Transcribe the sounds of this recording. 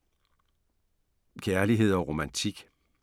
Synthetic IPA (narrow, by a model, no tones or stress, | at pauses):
kʰæɐliɦe̝ð̞̰ˠɒ̽ʁo̝mænt͡sʰiɡ̥